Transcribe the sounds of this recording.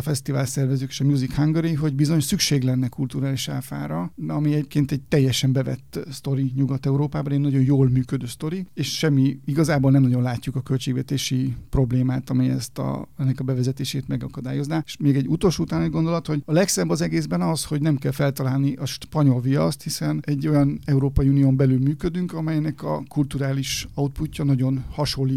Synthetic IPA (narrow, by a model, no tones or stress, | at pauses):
fɛst̪ivaːlsɛrvɛzøːkeːʃɒmjuːzikhaŋɡoɾiiɦo̞ɟbizo̞ɲsykʃeːɡlɛnːɛkult̪uɾaːliʃaːfa̰ːɾɒɒmiɛɟeːp̚keːnt̪ɛɟ̚t̪ɛjːɛʃɛmbɛvɛ̰t̪ːst̪o̞ɾiɲuɡɒt̪ɛuɾoːpaːbɒnɛɟnɒɟo̞njoːlmyːkød̪øːst̪o̞ɾieːʃʃɛmːiiɡɒzaːboːlnɛmnɒɟo̞nlaːcːukɒkø̞lt͡ʃeːɡvɛt̪eːʃipro̞bleːmaːt̪ɒmiɛ̰st̪ɒ̰ɛnːɛkɒbɛvɛzɛt̪eːʃeːt̪mɛɡɒkɒd̪aːjo̞znaːe̥ʃmeːɡɛɟːut̪oːlʃuːt̪aːnɛɟɡo̞nd̪o̞lɒt̪ho̞ɟɒlɛksɛbːɒzɛɡeːzbɛnɒsho̞ɟnɛmkɛlfɛlt̪ɒlaːlniʔɒʃpɒɲo̞lviɒst̪hisɛnɛɟːo̞jɒnɛuɾoːpɒiunijoːmbɛlylmyːkød̪yŋkɒmɛjnɛkɒ̰kult̪uɾaːliʃɒut̪̚pucːɒnɒɟo̞nhɒʃo̞lːi